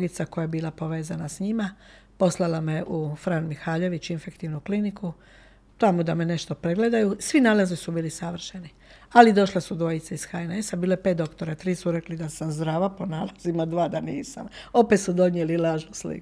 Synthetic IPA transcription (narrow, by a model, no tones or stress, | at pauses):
ɡit̪sako̞jajebiːlapo̞ʋe̞ːzanasɲima | po̞slˠalame̞ʔufɾanmixaːʎe̞ʋit͡ʃinfe̞kt̪iʋnukliniku | t̪amud̪ame̞ne̞ʃt̪o̞pɾeɡle̞d̪ajusʋinaːlazisubiːlisaʋr̩ʃeni | alid̪o̞ʃlasud̪ʋo̞jit̪saisxajne̞sabiːloepet̪̚d̪o̞kt̪o̞ɾat̪ɾiːsuɾe̞klid̪asamzd̪ɾaːʋapo̞naːlˠazimad̪ʋaːd̪anḭːsa̰mo̞pe̞t̪sud̪o̞njelilaːʒnuslḭku